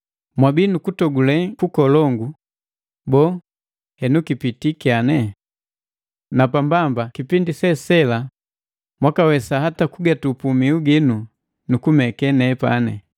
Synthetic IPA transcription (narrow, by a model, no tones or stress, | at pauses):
mwabiːnukutɔɡulɛkukɔlɔŋɡu | bɔ | hɛnukipitikianɛ | napambambakipindisɛsɛla | mwakawɛsahatakuɡatupumiuɡinu | nukumɛkɛnɛpa̰nɛ̰